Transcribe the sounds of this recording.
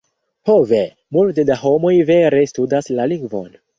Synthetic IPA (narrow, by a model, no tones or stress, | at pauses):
hove̞ | multedaɦo̞mo̞jve̞ɾe̞studaslaliŋɡvo̞n